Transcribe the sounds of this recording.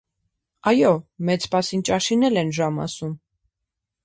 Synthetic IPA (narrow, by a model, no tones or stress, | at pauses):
ɑjɔmɛt͡spɑsint͡ʃɑʃinɛlɛnʒɑmɑ̰sum